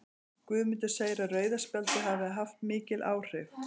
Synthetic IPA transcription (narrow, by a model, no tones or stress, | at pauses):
kvʏːðmʏnt̪ʏ̥seːjɾarœːɥðaspɛlt̪ʏɦaːvɪɦaft̪̚mɪːcɪlʔa̰ːwr̥ɪf